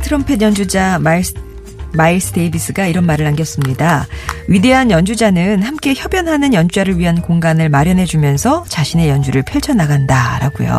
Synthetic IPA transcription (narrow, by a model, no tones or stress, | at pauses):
tʰɯɾʌmpʰejʌnd͡ʑud͡ʑam | mais͈ʰɯde̞bis͈ɯɡaiɾʌnmaɾɯɾanɡjʌs͈ɯmɲidaɥide̞ɦanjʌnd͡ʑud͡ʑanɯnhamk͈e̞çjʌbjʌnɦanɯnjʌnd͡ʑud͡ʑaɾɯɭɥiɦankoŋɡanɯɭmaɾjʌnɦe̞d͡ʑumjʌnsʰʌt͡ɕaɕʰine̞jʌnd͡ʑuɾɯɭpʰjʌɭt͡ɕʰʌnːaɡandaɾaɡujo̰